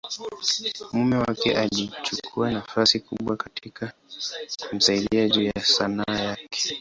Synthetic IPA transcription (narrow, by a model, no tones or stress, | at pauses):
mumɛwakɛ̰ʔalit͡ʃukʰuanafasikuɓwakatʰika | kum̩saiɗiaʄujasanaːjakɛ̥